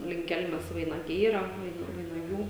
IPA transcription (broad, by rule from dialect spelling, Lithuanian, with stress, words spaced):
lʲɪŋk ˈkʲɛlʲmʲɛs ʋɐɪnɐˈɡʲɛɪ ˈiːrɐ ˈʋɐɪnɐ ʋɐɪnɐˈɡʲuː